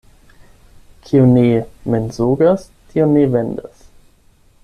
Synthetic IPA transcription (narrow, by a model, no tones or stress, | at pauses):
kʰiunimenzuɡas | tʰionivend̪as